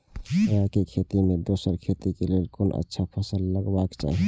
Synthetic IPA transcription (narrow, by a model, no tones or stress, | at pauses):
əɦãkekʰet̪imed̪osəɾkʰet̪ikelelkonʔə̰tːʃʰapʰəsəlːəɡbakt͡ʃa̰ɦɛ